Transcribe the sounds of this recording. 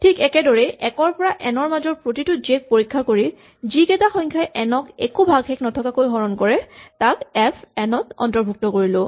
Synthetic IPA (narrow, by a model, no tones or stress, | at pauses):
tʰikɛkɛdɔɹɛʔɛkɔɹpɔɹaʔɛnɔɹmazɔɹpɹotitʊzɛk̚poɹikʰːakoɹi | zikɛtaxɔɲkʰaɛʔɛnɔkekubʱaɡxɛkʰnɔtʰɔkakojɦɔɹɔnkɔɹɛtakɛpʰɛnɔtɔ̰ntɔɹbʱuk̚tɔkoɹilʊ